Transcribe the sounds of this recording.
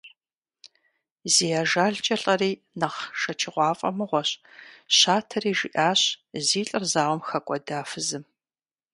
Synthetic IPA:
ziːjaʒaːɮt͡ʃʼɐɬʼɐriː | nɐʁʃɐt͡ʃʰɪʁʷɑːfʼɐ̰mɨʁʷɔɕɕaːtʰɐriːʒɪ̰ʔaːɕziːɬʼɐrzaːʁʷɔmxɐkʷʼɔdaːfɨzɨm

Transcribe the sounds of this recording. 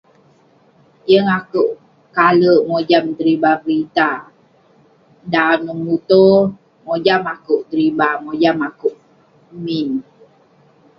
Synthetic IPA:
jəŋakuʔ | kaləŋod͡ʒamd̪əɾibabɾit̪a | danəmut̪o | ŋod͡ʒamakuʔd̪əɾibamod͡ʒamakuʔ | min

